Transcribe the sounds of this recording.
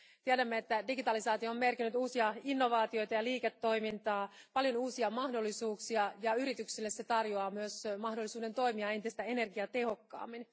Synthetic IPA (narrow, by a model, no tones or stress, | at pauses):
t̪iædæmːeet̪ːædiɡit̪ɑlisɑːt̪iooːmːme̞rkinyt̪uːsiɑinːo̞ʋɑːt̪io̞jt̪ɑjɑliːket̪ːo̞jmint̪ɑːpɑljonuːsiɑmɑhdo̞lːisuːksiɑjɑyɾit̪yksilːe̞se̞t̪ɑrjoɑːmyøsmɑɦdo̞lːisuːde̞nt̪o̞jmiɑe̞nt̪ist̪æe̞ne̞rɡiɑt̪e̞ɦo̞kːɑ̰ːmːin